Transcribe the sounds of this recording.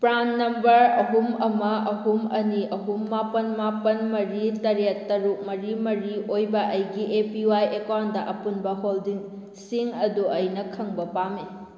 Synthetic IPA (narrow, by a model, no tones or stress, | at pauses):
pɾanːɐmbɐɾɐɦumɐmɐʔɐɦumɐniɐɦumːapɐnmapɐnmɐɾitɐɾetːɐɾuk̚mɐɾimɐɾiojbɐʔɐjɡiʔepiwajekawndɐʔɐpunbɐɦoldiŋ | siŋɐduʔɐjnɐkʰɐŋbɐpame